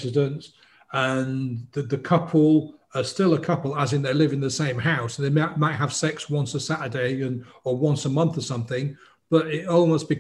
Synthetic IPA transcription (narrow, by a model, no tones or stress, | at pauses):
zɪdə̃nt | ə̃nðɨðɨkʰʌpʰl̩ˠ | əstɪlˠəkʰʌpl̩ˠəzɪ̃nðeɪlɪvɨ̃nðəsẽɪ̃mhaʊsðeɪmɪʔmaɪt̚ɦəv̥sɛkswʌ̃nsəsatədeɪɨ̃n | əwʌ̃nsəmʌ̃nθəsʌ̃mθɪ̃ŋ | b̥ʌɾɪtɔlˠməʊsb̥ɨ